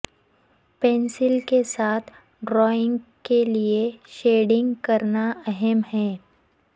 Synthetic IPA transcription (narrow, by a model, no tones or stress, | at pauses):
pɛ̃ːnsɪlkesaːt̪ʰ | ɖɾɔːɪ̃ŋɡkelieʃeːɖɪ̃ŋɡkɐɾnaɛɦɛmɦɛ̃ː